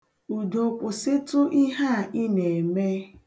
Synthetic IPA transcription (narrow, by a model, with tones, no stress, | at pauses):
u˨do˨kʷʊ˨sɪ˦tʊ˦ʔi˦ɦa˦˨i˦ne˨me˦